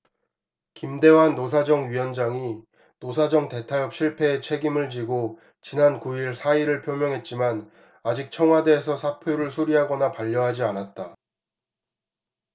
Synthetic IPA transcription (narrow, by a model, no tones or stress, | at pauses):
kimde̞wanːos̬ʰad͡ʑʌŋɥijʌnd͡ʑaŋi | nosʰad͡ʑʌŋte̞tʰajʌp̚ɕ͈ʰiɭpʰe̞ːt͡ɕʰe̞ɡimɯɭt͡ɕiɡo | t͡ɕinankuiɭsʰaiɾɯɭpʰjomjʌŋɦe̞t̚t͡ɕ͈iman | ad͡ʑik̚t͡ɕʰʌŋwade̞ːsʰʌsʰapʰjoɾɯɭsʰuɾiɦaɡʌnapaʎːʌɦad͡ʑianat̚t͈a